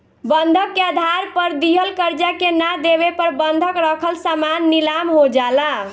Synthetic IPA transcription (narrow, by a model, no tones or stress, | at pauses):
bənd̪ʱəkːead̪ʱaɾpəɾd̪iɦəlkəɾd͡ʒakenad̪eβepəɾbənd̪ʱəkɾəkʰəlsamanːilamɦod͡ʒala